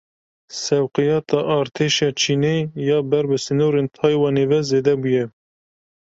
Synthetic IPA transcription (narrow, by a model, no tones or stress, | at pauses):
sɛwqɨjɑːt̪ʰɑʔɑːɾt̪ʰeːʃɑːt͡ʃʰiːnejɑːbɛɾbɨsɨnoːɾeːnt̪ʰɑːjwɑːneːvɛzeːd̪ɛbujɛ